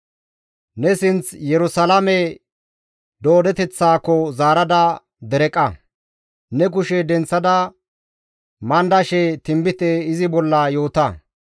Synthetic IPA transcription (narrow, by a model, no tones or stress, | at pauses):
nɛsɪnt͡sjɛɾʊsɐlɐmɛ | d̪o̞ːd̪ɛt̪ɛt͡sːaːkːɔzaːɾɐd̪ɐ | d̪ɛɾɛkʼːɐ | nɛk̬ʊʃɛd̪ɛnt͡sːɐd̪ɐ | mɐnd̪ɐʃɛt̪ɪmbɪt̪ɛɪzɪbɔlːɐjo̞ːt̪ɐ